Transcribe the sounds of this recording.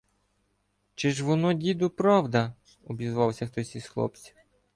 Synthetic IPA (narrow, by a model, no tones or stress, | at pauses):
t͡ʃɪʒʋɔnɔdʲid̪ʊpɾɑwd̪ɐ | ɔbʲizʋɑwsʲɐxt̪ɔsʲisxlˠɔ̰pt͡sʲi̥